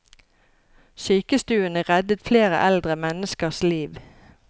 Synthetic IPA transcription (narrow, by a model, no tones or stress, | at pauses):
syːkəst̪ʉːənəʁɛd̪ət̪fleːʁə̰ʔæld̪ʁəmɛnəskəʁsliːʋ